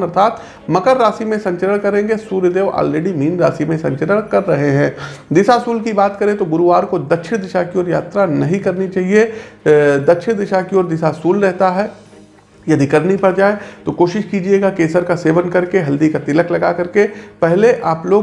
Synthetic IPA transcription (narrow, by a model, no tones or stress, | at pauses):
ɐɾt̪ʰaːt̪ | mɐkəɾːaːsimẽsɐ̃ɲt͡ʃəɾəɽ̃kɐɾẽːŋɡesuːɾjəd̪eːʋɔ̰ːlɾeːɖimiːnɾa̰ːsimẽsɐ̃ɲt͡ʃəɾəɽ̃kɐɾːɐɦeɦɛ̃ːd̪ɪʃasuːlkibaːt̪kɐɾẽt̪oɡʊɾuaːɾkod̪ɐkʃʰɪɽd̪ɪʃakiɔːɾja̰ːt̪ɾanɐɦĩkɐɾnit͡ʃaːɦie | d̪ɐkʃʰɪd̪ɪʃakiɔːɾd̪ɪʃasuːlɾɛɦt̪aɦɛ | jɐd̪ikɐɾnipɐɽd͡ʒaːet̪okoːʃɪʃkiːd͡ʒieːɡakeːsəɾkaseːʋənkɐɾkeɦɐld̪ikat̪ɪləklɐɡakɐɾkepɛɦleʔaːploːɡ